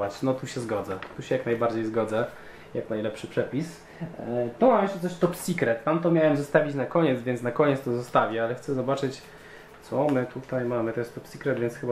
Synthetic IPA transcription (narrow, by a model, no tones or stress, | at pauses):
at͡ɕnɔt̪uɕɛzɡɔd̪zɛt̪uɕɛjaknajbaɾd͡ʑejzɡɔd̪zɛ | jaknajlɛpʂɘpʂɛpʲis | t̪ɔmamjɛʃtɛt̪ɛʂt̪ɔpsʲikɾɛt̪ːamt̪ɔmʲjawɛmzɔst̪avʲit͡ɕnakɔɲɛt̪zvʲjɛnt̪snakɔɲɛt̪st̪ɔzɔst̪avʲɛalɛxt̪ɛzɔbat͡ʂɘt͡ɕ | t̪sɔmɘt̪ut̪ajmamɘt̪ɔjɛst̪ɔpsikɾɛd̪vʲjɛntsxɘba